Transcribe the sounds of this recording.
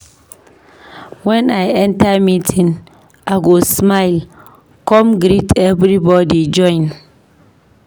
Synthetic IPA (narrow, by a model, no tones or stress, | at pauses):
wɛ̃najɛ̃ntamitʰĩn | aɡosmaɪl | kɔ̃mɡɾitʰɛvɾibɔdid͡ʒɔ̃ɪ̃n